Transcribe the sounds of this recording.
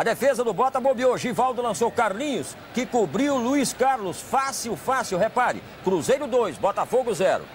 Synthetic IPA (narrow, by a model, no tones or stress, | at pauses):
ɐd̪efezɐd̪ʊbɔt̪ɐmobiowʒivawd̪ʊlɐ̃sowkaɾnĩɲʊs | kɪkubɾiwluiskaɾlʊsfasiwfasiwɦepaɾʊ̰ | kɾuzejɾʊd̪ojsbɔt̪afoɡʊzɛɾʊ̰